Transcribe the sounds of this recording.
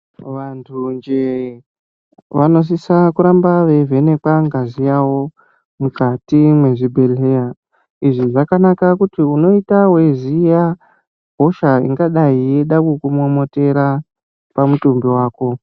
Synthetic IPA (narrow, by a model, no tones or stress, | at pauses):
ʋantʰund͡ʒe | ʋano̞s̬isakuɾambaʋe̞ve̞ne̞kaŋɡazijawo̞ | mukatimwe̞ʐibʱe̞leja | iʐiʐakanakakutiuno̞itawe̞zija | ɦo̞ʃaḭŋɡaɗaijeɗakukumomo̞te̞ɾa | pamutumbiwaːko̞